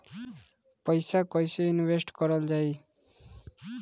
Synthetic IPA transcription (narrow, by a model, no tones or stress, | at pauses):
pʌjsakɔjseinwesʈkɔɾɔld͡ʒaj